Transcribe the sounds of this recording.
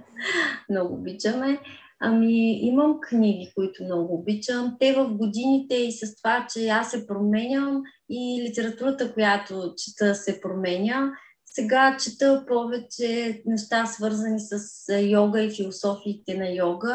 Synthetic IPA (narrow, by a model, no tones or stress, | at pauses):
mnɔɡʊ̰ːbit͡ʃəmɛ | ɐmiiməmkniɡ̟ikoit̪ʊmnɔɡʊːbit͡ʃəmt̪ɛvəfɡod̪init̪ɛisɐst̪ovat͡ʃɛasːɛpɾomɛnʲəm | ilit̪ɛɾɐt̪uɾət̪əkojat̪ot͡ʃi̥t̪əsɛpɾomɛnʲə | sɛɡat͡ʃit̪əpɔvɛt͡ʃɛnɛʃt̪asvɤɾzənisɐsjɔɡəifilˠosɔfiːt̪ɛnɐjɔɡə